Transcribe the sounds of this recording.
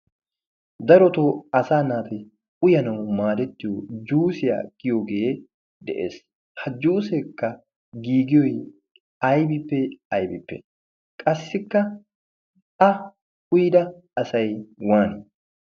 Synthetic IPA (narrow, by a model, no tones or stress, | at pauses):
d̪ɐɾɔt̪oːɐsaːnaːt̪ɪ | ʊjɐnɐwmaːd̪ɛt̪ːɪjod͡ʒuːsɪja̰ːɡɪjoːɡe̞ː | d̪ɛʔḛːs | hɐd͡ʒuːsɛkːɐ | ɡiːɡɪjɔj | ɐjbɪpːɛɐjbɪpːɛ̰ | kʼɐsːɪkːɐ | ɐ | ʊjd̪ɐ | ɐsɐjwaːnɪ